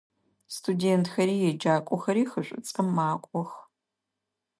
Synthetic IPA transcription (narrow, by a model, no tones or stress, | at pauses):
stʰudeːntxɐɾiːjɛd͡ʒaːkʷʼɔxɐɾiːxəɕʷʼʊ̰t͡sʼəmːaːkʷʼɔx